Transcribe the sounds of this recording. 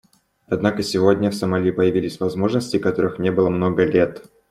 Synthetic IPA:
ɐd̪nakəsʲɪvodʲnʲəfsəmɐlʲipəjɪvʲilʲɪsʲvɐzmo̞ʐnəsʲtʲɪkɐt̪o̞ɾɨxnʲebɨlˠəmno̞ɡəlʲe̞t̪

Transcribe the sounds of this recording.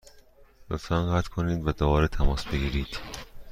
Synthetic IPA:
ɾofæŋɢæt̪kʰoniːd̪væd̪obɒːɾet̪ʰæmɒːsbe̞ɡiːɾiːd̪̥

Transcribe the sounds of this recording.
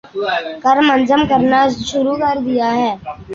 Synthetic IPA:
kəɾmənzəmkəɾnaʃʊɾukɐɾd̪ɪjaɦɛː

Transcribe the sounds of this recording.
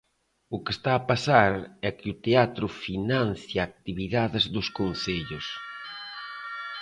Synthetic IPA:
ʊkɪst̪aːpasaɾɛkɪʊt̪eat̪ɾʊfinan̟θjaːk̚t̪iβiðaðɪzðʊskon̟θeʎʊs

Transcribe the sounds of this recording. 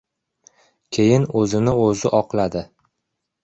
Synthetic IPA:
kʲʰejɪnɵzɪnɪɵzɪʔɒqlˠad̪ɪ

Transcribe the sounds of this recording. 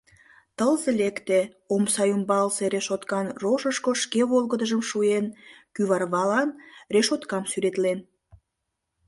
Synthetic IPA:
t̪əlzelekt̪e | omsɑjumbɑlseɾeʃot̪kɑnroʃəʃkoʃkeβolɣəd̪əʒəmʃuenkyβɑrβɑlɑnreʃot̪kɑmsyɾet̪len

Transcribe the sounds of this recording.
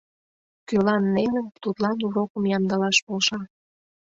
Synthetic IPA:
kølɑnːeŋənt̪ut̪lɑnuɾokəmjɑmd̪əlɑʃpolʃɑ

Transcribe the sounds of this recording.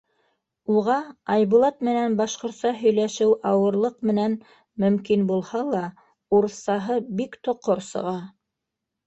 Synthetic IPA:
uʁɑɑjβulˠɑt̪mɘ̆nænbɑʃqŏɾt̪sɑɦɵ̆jlæʃɘwɑwɤ̆ɾlˠɤqmɘ̆næn | mɵ̆mkinbulˠhɑlˠɑ | uɾθɑɦɤbikt̪ŏqːoɾsɤ̰̆ʁɑ

